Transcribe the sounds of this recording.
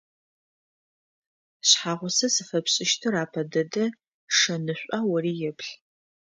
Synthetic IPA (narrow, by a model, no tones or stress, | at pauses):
ɕħaːʁʷʊsɐsɨfɐpɕʼɪʃtʰɨraːpʰɐdɐdɐ | ʂɐnɨɕʷʼaːwɐriːjɛpɬ